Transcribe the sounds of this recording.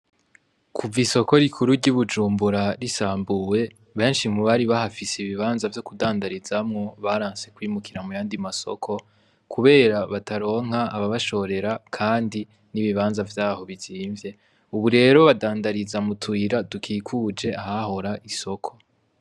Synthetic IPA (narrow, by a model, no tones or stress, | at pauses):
kʰuviso̞ko̞ɾikʰuɾuɾɟuβud͡ʒuːmbuɾaɾisaːmbuwe̞ | βe̞ːnʃimuβaɾiβahafiseiβiβaːnzavjo̞kudaːndaɾizamŋo̞βaɾaːnse̞kwiːmukʰiɾamujaːndimaso̞̰kʰo̞ | kʰuβe̞ːɾaβatʰaɾo̞ːŋ̥aːβaβaʃo̞ɾe̞ɾakʰaːndi | niβiβaːnzavjaːho̞βiziːɱvje̞ | uβuɾe̞ːɾo̞βadaːndaɾizamutʰwiːɾadukʰiːkʰuːd͡ʒe̞aɦaho̞ɾaʔiso̞kʰo̞̥